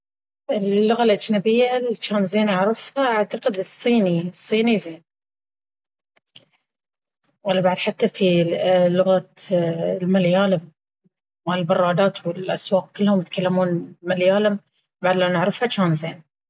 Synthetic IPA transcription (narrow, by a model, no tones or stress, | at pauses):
ʔɪlːʊɣalʔad͡ʒnabɪjːalt͡ʃaːnzeːnʔaʕɾˤɪfhaʔaʕt̪aqɪd̪ɨsˤːiːnisˤːiːnizeːn | walːabaʕd̪ħat̪ːafilːʊɣa | lmaljaːlɪm | wɪlbɑrˤːɑːd̪aːt̪wɪlʔaswɑːq̚kɪlːhʊmjɪt̪kalːamuːnmaljaːlɪm | baʕd̪laːnɪʕɾɪfhat͡ʃaːnzeːn